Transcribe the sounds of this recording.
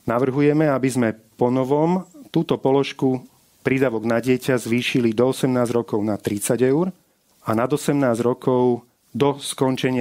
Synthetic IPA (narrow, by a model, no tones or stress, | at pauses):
naʋr̩ɦujɛmɛabizmɛpɔnɔʋɔmt̪uːt̪ɔpɔlɔʃku | pɾid̪aʋɔɡnaɟɪɛcazʋiːʃilid̪ɔɔsɛmnaːzɾɔkɔʊnat̪ɾit͡saɟɛʊɾ | anad̪ɔsɛmnaːzɾɔkɔʊ | d̪ɔskɔnt͡ʃɛɲɪ